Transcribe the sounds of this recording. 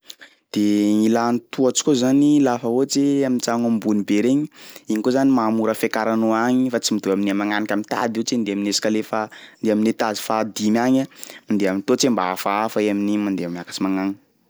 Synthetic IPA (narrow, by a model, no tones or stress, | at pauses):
d̪̥eŋilanit̪uat͡si̥kʲozanilafəot͡seamint͡saŋambunibeɾeɲiiɲikozanimamuɾəfekaɾanoaŋifat͡simid̪uaminiamaŋanakʲamint̪a̰d̪it͡send̪eaminesḁkalefand̪eaminet̪azi̥fad̪imiaɲamand̪eamint̪ot͡sembaafaafaeaminimand̪eamiakḁt͡simaŋaŋi̥